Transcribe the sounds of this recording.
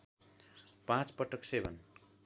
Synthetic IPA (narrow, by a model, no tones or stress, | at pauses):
pãt͡spʌʈʌksebʱʌn